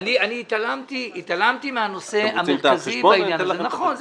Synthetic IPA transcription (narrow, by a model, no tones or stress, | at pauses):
nianiːt̪alamt̪iit̪alamt̪imehano̞se̞ameazibainjanzenaχonz